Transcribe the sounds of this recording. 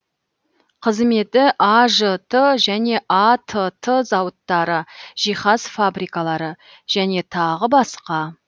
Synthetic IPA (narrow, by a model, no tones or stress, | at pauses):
qʰəzme̞t̪ɪʔaʒət̪ʰəʒæne̞ʔat̪ʰət̪ʰəzɑwət̪ːɑɾəʒ̥ijχɑzfabɾijkalˠɑɾə | ʒ̥æne̞t̪ʰɑʁəbɑsqɑ